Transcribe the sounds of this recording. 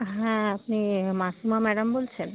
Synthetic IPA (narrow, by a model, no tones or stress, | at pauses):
ɦɛ̃apnimasumamɛɖambolt͡ɕʰen